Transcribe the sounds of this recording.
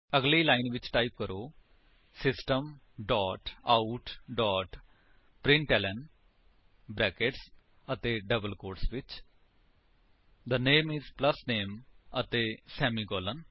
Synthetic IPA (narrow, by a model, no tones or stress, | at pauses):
əɡliːlaːɪnʋɪt͡ʃʈaːip̚kəɾʔoː | sɪsʈəm | ɖɔːʈaʊʈɖɔːʈ | pɾɪ̃ɳʈɛːlɛn | bɾɛːkeʈs | ət̪eːɖəbəlkoːɾsʋɪt͡ʃ | d̪əneːmɪzpləsneːmət̪eːsɛːmiːɡoːlən